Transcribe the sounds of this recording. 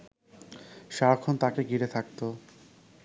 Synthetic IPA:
ʃaɾakʰont̪akeɡiɾet̪ʰak̚t̪o

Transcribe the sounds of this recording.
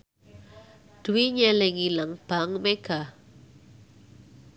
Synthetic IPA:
d̪̥uwiɲɛlɪŋilaŋb̥aŋmeɡ̥a

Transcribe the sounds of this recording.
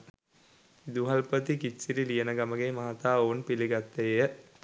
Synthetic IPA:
id̪uɦalpət̪ikisiɾilijənəɡaməɡemaɦat̪aːoːnpiliɡat̪ːejə

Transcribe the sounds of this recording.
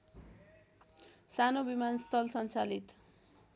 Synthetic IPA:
sanobimanst̪ʰʌlsʌnt͡salit̪

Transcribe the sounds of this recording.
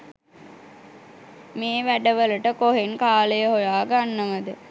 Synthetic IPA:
meːʋæɖəʋələʈəkoɦeŋkaːləjəɦojaːɡanːəʋəd̪ə

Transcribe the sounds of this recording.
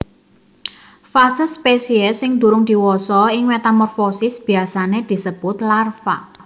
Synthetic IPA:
fasəspesiɛsɪŋd̪ṳɾʊŋd̪̥i̤wɔsɔɪŋmet̪amɔrfosɪsb̥i̤asaned̪̥i̤səb̥ʊt̪larfa̰

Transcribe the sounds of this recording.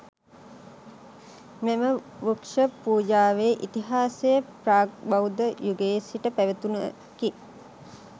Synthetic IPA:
meməʋukʂəpuːd͡ʒaːʋeːʔit̪iɦaːsejəpɾaːbɐwd̪əjuɡeːsiʈəpæʋet̪unə | ki

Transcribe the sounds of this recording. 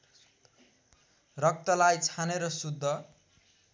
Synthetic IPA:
rʌk̚t̪ʌlajt͡sʰaneɾʌsud̪ʱːʌ

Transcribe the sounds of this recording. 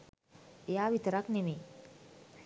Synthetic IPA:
ejaːʋit̪əɾaknemeː

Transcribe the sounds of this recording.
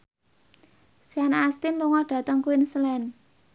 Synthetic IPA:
sianast̪ɪnluŋɔɖ̥ä̤t̪əŋkuɪnslɛn

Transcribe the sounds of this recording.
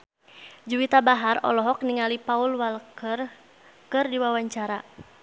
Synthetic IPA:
d͡ʒuwit̪abaɦarɔ̰lɔɦɔk̚niŋalipaulwalkər | kɨrdiwawaɲt͡ʃaɾa

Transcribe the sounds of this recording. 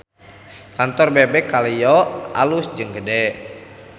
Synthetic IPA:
kant̪ɔrbebɛkalijɔa̰lʊsd͡ʒɨŋɡədɛ

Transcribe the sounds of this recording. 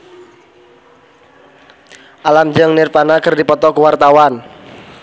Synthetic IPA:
ʔalamd͡ʒəŋnɪrpanakərdipɔt̪ɔkəwart̪awan

